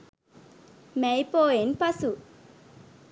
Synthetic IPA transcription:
mɛjpoːenpɐsu

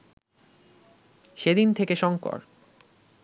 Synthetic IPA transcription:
ʃed̪int̪ʰekeʃɔŋkɔ̰ɾ

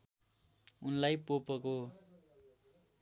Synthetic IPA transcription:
unlajpopʌko

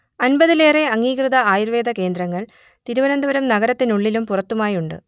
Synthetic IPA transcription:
ɐnbɐðileːreɐŋːiːkrɨðɐaːjiɾʋeːd̪ɐke̞ːnd̪rɐŋːɐɭ | t̪iɾuʋɐnɐnd̪ɐʋɐɾɐmnɐɣɐɾɐt̪ːinuɭːilumpurɐt̪ːumaːjuɳɖɨ̰

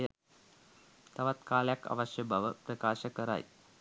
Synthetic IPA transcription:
ɐ | t̪ɐʋɐt̪kaːljakɐ̰ʋɐʃjɐbʱɐʋɐpɾɐkaːʃɐkɐɾa̰ːj

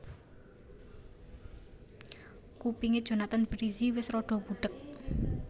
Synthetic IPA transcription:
kupiŋed̥ʒ̥o̤nat̪anb̥əɾiziwɪsɾɔɖ̥ɔ̤b̥ṳɖ̥ək̚

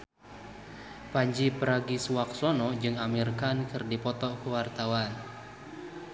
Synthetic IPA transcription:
paɲd͡ʒipəɾaɡisuwak̚sɔnɔd͡ʒɨŋamirkankɨrdipɔt̪ɔkəwart̪awan

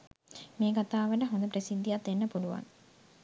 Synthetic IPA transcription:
meːkat̪aːʋəʈəɦond̪əp̬ɾesid̪ːijat̪ːenːəpuluʋa̰ŋ

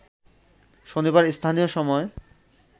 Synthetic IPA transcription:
ʃonibaɾst̪ʰanijoʃɔmɔe

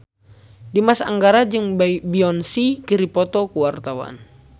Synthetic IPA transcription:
dimasa̰ŋɡaɾad͡ʒɨŋbiɔnsikiɾipɔt̪ɔkuwart̪awa̰n

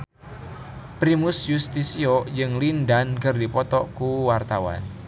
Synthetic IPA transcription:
pɾimʊsjust̪isiod͡ʒɨŋlindankərdipɔt̪ɔkuwart̪awa̰n

